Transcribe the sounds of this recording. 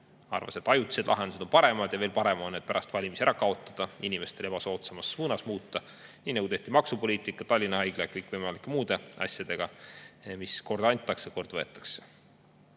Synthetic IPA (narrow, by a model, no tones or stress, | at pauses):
ɑ̰rvɑ̰se̞t̪ːˑɑjut̪ːise̞d̪lʔɑ̰ɦend̪used̪o̞npɑɾe̞mɑd̪̥jɑve̞ːlpɑɾe̞mo̞nːet̪̚pæɾɑst̪vɑlʲimisæɾɑkɑo̞t̪ˑːɑd̪̥ɑinʲimest̪e̞le̞b̥ɑso̞ːt̪semɑsːuːnɑsmuːt̪ːɑ | niːnɑɡut̪e̞ht̪imɑksupo̞liːt̪ˑikːˑɑt̪ɑlʲːinɑɦɑjɡ̥lejɑkɤjkːˑvɤjmɑlikːˑemuːd̪̥e̞ɑ̰sjɑd̪̥e̞ɡ̥ɑmisko̞rd̪ɑnʲt̪ːˑɑksjɑko̞rd̪̥vɤet̪ːˑɑ̥kse̥